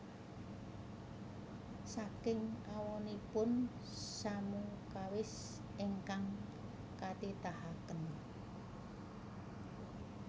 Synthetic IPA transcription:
sakɪŋawɔnipʊn | samukawɪs | ʔeŋkaŋ | kat̪it̪ahakən

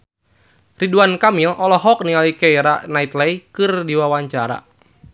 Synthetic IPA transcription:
riduankamilʔɔlɔɦɔk̚niŋalikɛjɾa̰ʔnait̪lɛjkɨrdiwawaɲt͡ʃaɾa̰

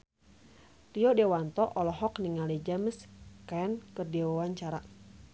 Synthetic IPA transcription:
riɔdɛwant̪ɔʔɔlɔɦɔkniŋalɛd͡ʒaməskaɛnkɨrdiawaɲt͡ʃaɾa

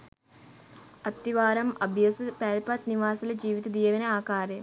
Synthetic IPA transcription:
ɐt̪ːiʋaːɾɐmɐbʱjɐsɨpeːlpɐt̪niʋaːsɐlɐd͡ʒiːʋit̪ɐd̪ijɐʋɐnɐaːkaːɾe

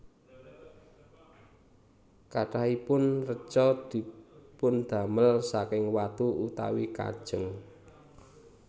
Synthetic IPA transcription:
kaʈahipʊnrə̥t͡ʃɔd̪̥i̤pʊnd̪̥a̤məlsakɪŋwat̪uut̪a̰wika̰d̥ʒ̥əŋ

